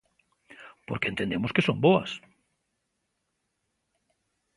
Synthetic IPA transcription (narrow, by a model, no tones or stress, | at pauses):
poɾkent̪end̪emoskesomboa̰s